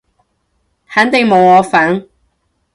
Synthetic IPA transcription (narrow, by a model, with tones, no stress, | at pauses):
haː˨˥nt̪e˨ŋmo˨wɔː˨˧faː˨˥n